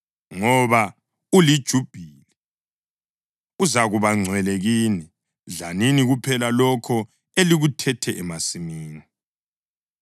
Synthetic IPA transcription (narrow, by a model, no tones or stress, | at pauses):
ŋɔβa | ulid̥ʒ̥ʱub̥ʱili | uzaɣuβaŋ͡ǀʱwɛleɣiːni | ɮaniniɣupʰɛlalɔkʰɔ | eliɣutʰɛtʰɛʔɛmasimiːni